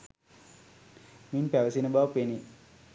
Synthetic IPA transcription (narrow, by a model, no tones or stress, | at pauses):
minpæʋəsinəbaʋpeni